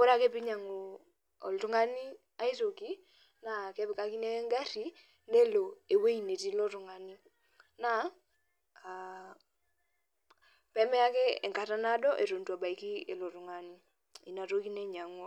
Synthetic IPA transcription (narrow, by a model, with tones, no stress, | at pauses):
ko˦ɾa˦˨ke˦pɪ˦ɲa˨ŋo˨ | ɔ̰˨ltu˦ŋa˦ni˦ | a˦i˦to˨ki˦ | na˨kɛ˦bɪ˨ka˦ki˦ne˦ŋɡa˦ɾi˨˦ | ne˦lo˨e˨we˦i˨ne˨ti˦lo˦tʊ˨ŋa˨ni˦ | na˨ | a˨ | pɛ˦mɛ˦a˦ke˦ɛ˨ŋka˨ta˦na˦dɔ˦ʔe˨ɾo˨ntu˨a˨ba˨i˨ki˦e˨lo˨tʊ˨ŋa˨ni˦ | i˨na˨to˦ki˦ne˦ɲa˨ŋɔ˦